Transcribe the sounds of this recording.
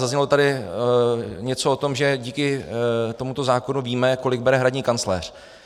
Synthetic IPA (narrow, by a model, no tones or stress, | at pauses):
zazɲɛlot̪adɪ | ɲɛt͡so̞ot̪o̞mʒɛɟiːkɪt̪o̞mut̪o̞zaːko̞nuviːmɛko̞lɪɡ̚bɛɾɛɦɾadɲiːkant͡slɛːr̝̥